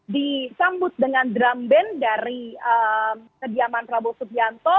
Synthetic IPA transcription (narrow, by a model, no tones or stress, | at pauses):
disambʊt̪̚dəŋandɾambɛndaɾiəmkədiamanrabulsupiant̪ɔ